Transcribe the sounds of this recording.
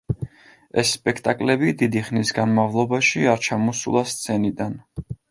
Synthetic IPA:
ɛsːpʼɛkʰt̪ʼakʼlɛbid̪id̪iχnisɡanmavlˠɔbaʃiaɾt͡ʃʰamɔsṵlˠast̪sʰɛnid̪an

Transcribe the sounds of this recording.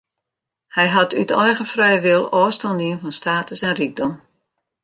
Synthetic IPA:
hɛjɦatʰytʰɔjɣəfrɛjʋɪlˠɔːstɔndiənfɔnstaːtəsɛnriɡ̚dɔm

